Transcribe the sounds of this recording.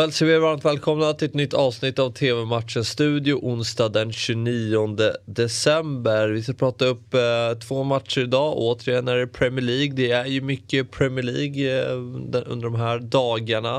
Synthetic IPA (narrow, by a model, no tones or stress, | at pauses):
ɛlsɔvɪɾvaɾmt̪vɛːlkʰɔmnat̪ʰɪlɛt̪nʏt̪ːɑːvsnɪt̪ːavt̪ʰeːvɛmat̪ʂənsːt̪ʉ̟ːd̪ɪjʊʔʊnst̪ɑːd̪ɛnɕʉniːɔnd̪əd̪ɛsɛmbəɾvɪskapʰɾɑːt̪aɵpːt̪ʰvoːmat̪ʂəɾɪd̪ɑːʔoːt̪əɾɪjɛnːæɖɛpʰɾɛmɪəɭiːɡd̪ɛæɾjɵmʏkːəpʰɾɛmɪəɭiːɡ̪ | ɵ̰nd̪əɖɔmɦæːɾd̪ɑːɡaɳa